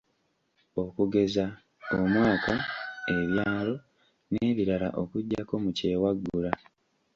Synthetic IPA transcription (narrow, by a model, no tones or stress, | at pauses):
o̞kuɡe̞za | omwaːkae̞βjaːlo̞ | ne̞ːβiɾala̰ʔo̞kuɟːako̞muce̞ːwaɡːula